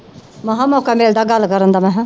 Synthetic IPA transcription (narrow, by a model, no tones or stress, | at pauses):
mɐɦãːmɔːkameːld̪aːɡalːkəɾənd̪amɛ̃ɦɛ̃